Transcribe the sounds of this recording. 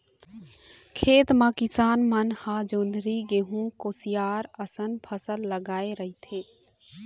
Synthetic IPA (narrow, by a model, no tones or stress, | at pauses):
kʰeːt̪mãkɪsaːnmənhãːd͡ʒoːnd̪ɾiɡeɦũkoːsijaːɾəsənpʰəsəlːəɡaːeɾəɦit̪ʰeː